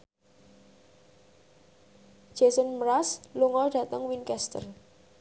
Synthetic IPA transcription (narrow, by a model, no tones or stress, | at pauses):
d̥ʒ̥ɛsənməɾasluŋɔɖ̥ä̤t̪əŋwinkɛst̪ə̰r